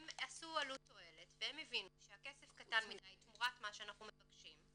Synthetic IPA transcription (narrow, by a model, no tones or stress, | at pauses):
emasualuto̞e̞letveemevinuʃeakesefkatanmidajtmuʁatmaʃeanaχnumevaɡʃim